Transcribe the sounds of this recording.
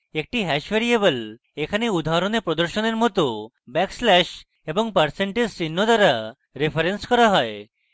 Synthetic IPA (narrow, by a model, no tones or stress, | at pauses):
ek̚ʈiɦɛʃʋeɾiebəl | ekʰaneud̪ʱaɾonepɾɔd̪əɾʃɔneɾmɔt̪o | bɛkslɛʃ | ebɔŋpəɾseɳʈezsinːod̪aɾa | ɾepʰəɾenskɔɾaɦɔe